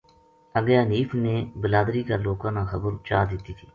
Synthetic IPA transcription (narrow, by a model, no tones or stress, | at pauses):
əɡjaːniːfʰneːbəlaːd̪ɾiːkaːloːkãːnãːxəbəɾt͡ʃa̰ːd̪ɪt̪iːt̪ʰiː